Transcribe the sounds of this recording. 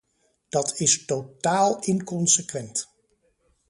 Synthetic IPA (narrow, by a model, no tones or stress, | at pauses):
d̥ɑtʰɪstotaːlˠɪnkɔnsəkʋɛnt